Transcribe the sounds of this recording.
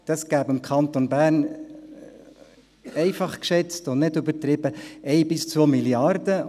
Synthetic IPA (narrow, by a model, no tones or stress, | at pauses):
d̥ɑsɡ̥æːbɪmkʰɑnt̪onbæːrn | ɛɪfɑχkʃɛt͡stʊnɪdʏbəɾt̪ɾɪb̥əɛɪbɪst͡sʋoːmiljɑrd̥ə